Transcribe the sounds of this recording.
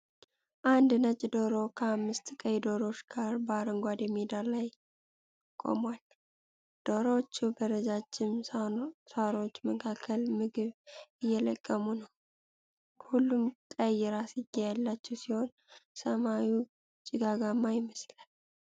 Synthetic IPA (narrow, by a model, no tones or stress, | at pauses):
ʔand̪nət͡ʃʼd̪oɾo̞kʰəamːɨst̪kʼəjd̪oɾo̞t͡ʃɡ̥aɾbəaɾəŋɡʷad̪ɛmed̪alaj | kʼo̰mwal | d̪̥oɾot͡ʃːubəɾəzat͡ʃːɪm | saɾo̞t͡ʃːməkʰakʰːəlmɨɡɨβɨjːɛləkʼːəmunəw | hulːumkʼəjːɛɾasɪjːɛjalːat͡ʃːɛwsiho̞n | səmawu | t͡ʃʼɪɡaɡamːajɪməslal